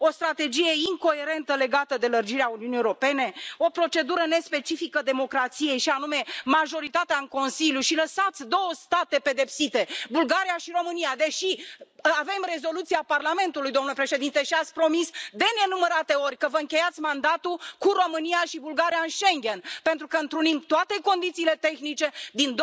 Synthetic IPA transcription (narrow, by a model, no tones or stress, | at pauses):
o̞st̪ɾat̪e̞d͡ʒije̞iŋko̞e̞ɾe̞nt̪əle̞ɡat̪əd̪e̞lərd͡ʒiɾeauniunijeoɾo̞pe̞ne̞o̞pɾo̞t͡ʃe̞d̪uɾəne̞spe̞t͡ʃifikəd̪e̞mo̞kɾat̪sije̞jʃianume̞maʒo̞ɾit̪at̪eaɨŋko̞nsiljuʃiləsat̪sʲd̪o̞wəst̪at̪e̞pe̞d̪e̞psit̪e̞bulɡaɾijaʃiɾo̞mɨnijad̪e̞ʃiave̞mre̞zo̞lut̪siaparlame̞nt̪ulujd̪omnulepɾe̞ʃe̞d̪int̪e̞ʃiat̪sʲpɾo̞misd̪e̞ne̞numəɾat̪e̞o̞rʲkəvəɨŋkʲe̞jat̪sʲmand̪at̪ukuɾo̞mɨnijaʃibulɡaɾijaɨnʃe̞ŋɡʲe̞npe̞nt̪ɾukəɨnt̪ɾunimt̪oat̪e̞ko̞nd̪it̪siːlet̪e̞xnit͡ʃe̞d̪ind̪